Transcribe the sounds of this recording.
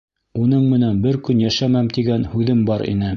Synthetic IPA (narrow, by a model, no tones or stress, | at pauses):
unɤɴmɘ̆nænbɘɾkɵnjæʃæmæmt̪iɡænhʉðɘmbɑɾḭnɘ